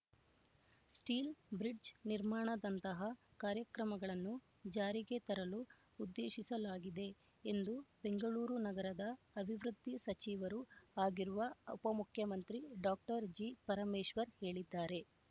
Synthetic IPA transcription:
sʈiːlbɾiɖd͡ʒniɾmaːɳɐd̪ɐnt̪ɐɦɐkaːɾjɐkɾɐmɐɡɐɭɐnːu | d͡ʒaːɾiɡe̞t̪ɐɾɐluː | d̪ːeːʃisɐlaːɡid̪e̞ː | nd̪ube̞ŋɡɐɭuːɾunɐɡɐɾɐd̪ɐː | bʱiʋɾud̪ʱːisɐt͡ʃiːʋɐɾuaːɡiɾuʋɐupɐmukʰjɐmɐnt̪ɾiɖaːk̚ʈɐɾd͡ʒipɐɾɐmeːʃʋɐɾhe̞ːɭid̪ːaːɾe̞

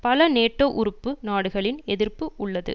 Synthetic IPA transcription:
pɐlɐneːʈːoːʔʊɾɯpːɯnaːɽɯɣɐɭɪnɛðɪrpɯʊɭːɐðɯ̰

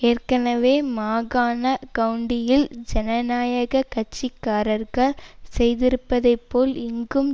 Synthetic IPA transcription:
eːrkɐnɐʋeːmaːɣaːnɐkɐɯɳɖɪjɪld͡ʒɛnɐnaːjɐɣɐkɐʈ̚t͡ʃːɪkːaːɾɐɾɣɐɭsɛjðɪɾɯpːɐðɐɪpːoːlɪŋɡɯm

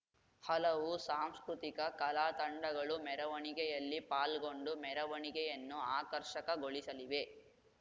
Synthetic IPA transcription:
hɐlɐʋusaːmskɾut̪ikɐkɐlaːt̪ɐɳɖɐɡɐɭumɛɾɐʋɐɳiɡɛjɐlːipaːlɡo̞ɳɖumɛɾɐʋɐɳiɡɛjɐnːuaːkɐɾʃɐkɐɡoɭisɐliʋe̞

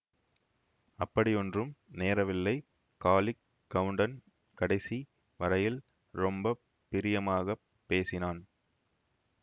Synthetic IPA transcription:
ɐpːɐɽɪjɔndrɯmneːɾɐʋɪlːɐɪ | kaːlɪkː | ɐʋɯɳɖɐn | kɐɽɐɪsi | ʋɐɾɐjɪl | ɾɔmbɐ | pːɪɾɪjɐmaːɣɐ | pːeːsɪnaːn

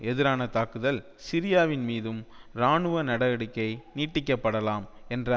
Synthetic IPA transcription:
ɛðɪɾaːnɐt̪aːkɯðɐl | sɪɾɪjaːʋɪnmiːðɯmɾaːɳɯʋɐnɐɽɐɐɽɪkːɐɪniːʈːɪkːɐpːɐɽɐlaːmɛndrɐ

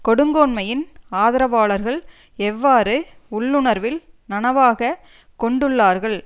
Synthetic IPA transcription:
kɔɽɯŋɡoːɳmɐjɪnaːðɐɾɐʋaːɭɐɾɣɐɭ | ɛʋːaːɾɯʊɭːɯɳɐɾʋɪl | nɐnɐʋaːɣɐ | kɔɳɖɯɭːaːɾɣɐɭ

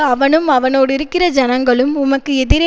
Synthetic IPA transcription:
ɐʋɐnɯmɐʋɐnoːɽɪɾɯkːɪrɐd͡ʒɐnɐŋɡɐɭɯmʊmɐkːɯɛðɪɾɐ

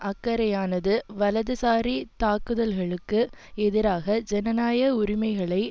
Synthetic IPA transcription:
ʔɐkːɐɾɐjaːnɐðɯʋɐlɐðɯsaːɾit̪aːkɯðɐlɣɐɭɯkːɯ | ɛðɪɾaːɣɐd͡ʒɛnɐnaːjɐʊɾɪmɐɪɣɐɭɐɪ

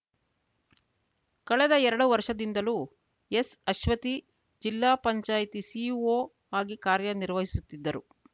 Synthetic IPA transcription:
kɐɭɛd̪ɐɛɾɐɽuʋɐɾʃɐd̪ind̪ɐlu | esɐʃʋɐt̪i | d͡ʒilːaːpɐɲt͡ʃaːjt̪isioː | aːɡikaːɾjɐniɾʋɐɦisut̪ːid̪ːɐɾu

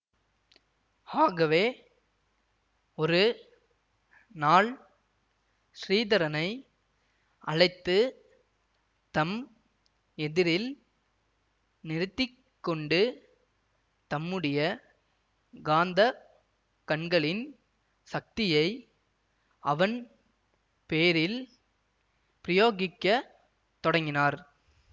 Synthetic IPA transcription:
aːɣɐʋeː | ɔɾɯ | naːɭ | sriːðɐɾɐnɐɪ | ʔɐ̰ɻɐɪt̪ːɯ | t̪ɐm | ɛðɪɾɪl | nɪɾɯt̪ːɪkːɔɳɖɯ | t̪ɐmːɯɽɐjɐ | ɡaːnd̪ɐ | kɐɳɡɐɭɪn | sɐk̚t̪ɪjɐɪ | ɐʋɐn | peːɾɪl | pɪɾɪjoːɣɪkːɐ | t̪ɔɽɐŋɡɪnaːɾ

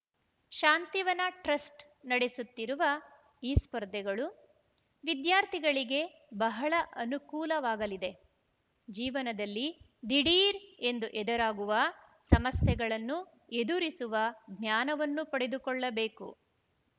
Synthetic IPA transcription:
ʃaːnt̪iʋɐnɐʈɾɐsʈ | nɐɽesut̪ːiɾuʋɐ | iːspɐɾd̪ʱɛɡɐɭu | ʋid̪jaːɾt̪ʰiɡɐɭiɡe̞ | bɐɦɐɭɐʔɐnukuːlɐʋaːɡɐlid̪e̞ | d͡ʒiːʋɐnɐd̪ɐlːi | d̪iɽiːɾe̞nd̪uʔɛd̪ɐɾaːɡuʋɐ | sɐmɐsjɛɡɐɭɐnːu | e̞d̪uɾisuʋɐɡnjaːnɐʋɐnːupɐɽe̞d̪ukɔɭːɐbe̞ːkṵ

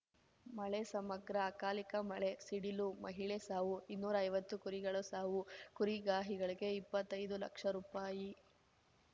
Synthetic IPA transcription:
mɐɭe̞sɐmɐɡɾɐːkaːlikɐmɐɭe̞siɽilumɐ̰ɦiɭesaːʋuinːuːɾɐɐjʋɐt̪ːukuɾiɡɐɭusaːʋukuɾiɡaːɦiɡɐɭiɡe̞ipːɐt̪ːɐjd̪ulɐ̰kʂɐɾuːpaːji

